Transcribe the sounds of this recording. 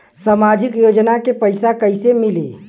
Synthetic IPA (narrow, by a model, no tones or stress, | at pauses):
samad͡ʒikjod͡ʒnakepəɪsakəɪsemili